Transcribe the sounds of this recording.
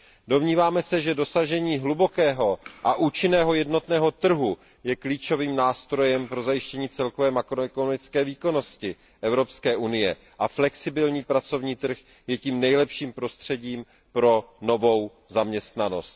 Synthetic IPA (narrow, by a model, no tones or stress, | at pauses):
do̞mɲiːvaːmɛsɛʒɛdo̞saʒɛɲiːɦlubo̞kɛːɦo̞ʔaʔuːt͡ʃɪnɛːɦo̞jɛdno̞t̪nɛːɦo̞t̪r̩ɦu | jɛkliːt͡ʃo̞viːmnaːst̪ɾo̞jɛmpɾo̞zajɪʃcɛɲiːt͡sɛlko̞vɛːmakɾoɛkonomɪt͡skɛːviːko̞no̞scɪ | ʔɛvɾo̞pskɛːʔunɪjɛ | ʔaflɛksɪbɪlɲiːpɾat͡so̞vɲiːt̪r̩x | jɛciːmnɛjlɛpʃiːmpɾo̞st̪r̝̥ɛɟiːm | pɾo̞no̞vo̞w | zamɲɛst̪nano̞̰st̪̚